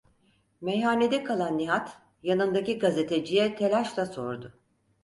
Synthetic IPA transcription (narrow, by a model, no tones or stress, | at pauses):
mejɦaːne̞d̪ɛkʰalˠanːiɦat̪ | janɯnd̪aciɡaze̞t̪ʰe̞d͡ʒijɛt̪ʰe̞lʲaʃlˠaso̞̰ɾd̪ʊ